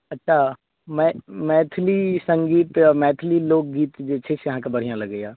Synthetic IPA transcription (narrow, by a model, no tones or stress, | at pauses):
ɐtːʃʰa | mɛ̃mɛːt̪ʰlisə̃ŋɡiːt̪mɛ̃ːt̪ʰliloːk̚ɡiːt̪d͡ʒeːt͡ʃʰesjɐɦãkebɐɽ̤ijãlɐɡːejaː